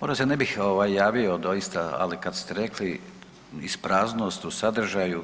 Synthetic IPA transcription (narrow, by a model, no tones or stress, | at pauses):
moʒd̪asenebixo̞ʋajːaːʋiod̪o̞jist̪aa̰likad̪st̪eɾe̞kli | ispɾaːzno̞st̪usad̪ɾ̩ʒaju